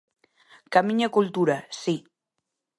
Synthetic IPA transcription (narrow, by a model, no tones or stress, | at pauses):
kamiɲakult̪uɾasi